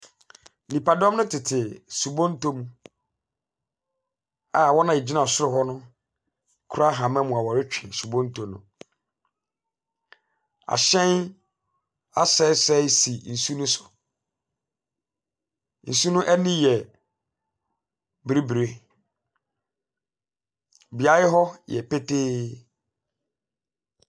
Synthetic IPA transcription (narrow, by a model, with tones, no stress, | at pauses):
nĩ˨pa˨dɔ̃˦m˦nʊ̃˦tʰɪ˨tʰɪ˨su˨bõ˦n̩˦tʰo˦mũ˨ | a˨wɔ˦nã˨e˨d͡ʑi˦nã˨sʊ˦ɾʊ˦ɦɔ˦nʊ̃˦ | kʰɾa˦ɦã˨mɛ̃˦mũ˨a˨wɔ˨ɾɪ˦t͡ɕᶣʰɛ˨su˨bõ˦n˦tʰõ˨nʊ̰̃˨ | a̰˨ɕɛ̃˦n | a˦sɛ˦sɛ˦si˨n̩˨su˦nũ˦sʊ̥˨ | n̩˨su˦nʊ̃˦ʔɛ˦nĩ˦jɛ˨ | bɾi˦bɾe˦ | bi˨a˨jɪ˦ɦɔ˦jɛ̰˨pʰe˦tʰeː˦